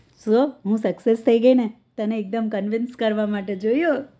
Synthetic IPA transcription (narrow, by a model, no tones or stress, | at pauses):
soɦũsəksest̪ʰəiɡəine | t̪əneːk̚d̪əmkənʋɪnskəɾʋamaʈed͡ʒoijo